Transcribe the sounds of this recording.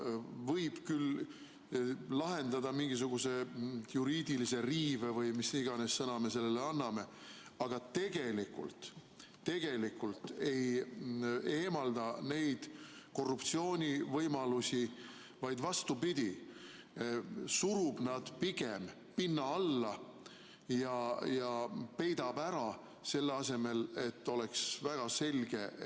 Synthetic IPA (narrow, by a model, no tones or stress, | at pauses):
vɤjb̥kyl | lɑɦe̞nd̪ɑd̪ɑmiŋɡis̬uɡ̥use̞juɾiːd̪ilise̞riːvevɤjmisiɡ̥ɑne̞sːɤnɑme̞se̞lːeleɑnːɑme̞ | ɑɡ̥ɑt̪e̞ɡ̥e̞likṵlt̪ː | e̞ɡ̥e̞likːˑult̪e̞j | e̞ːmɑld̪̥ɑne̞jd̪̥ko̞rːupt̪sio̞ːnʲivɤjmɑlusi | vɑjd̪vɑst̪upid̪̥ʲi | suɾub̥nɑd̪̥piɡ̥em | pinːɑɑlːɑ | jɑjɑpe̞jd̪ɑbæɾɑ | se̞lːeɑse̞me̞le̞t̪ːo̞leksvæɡ̥ɑse̞lʲɡ̥e̞